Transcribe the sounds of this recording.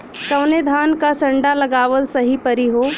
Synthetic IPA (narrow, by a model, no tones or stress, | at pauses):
kɐʋned̪ʱaːnkasə̃ɳɖaləɡaːʋəlsəɦipəɾiɦo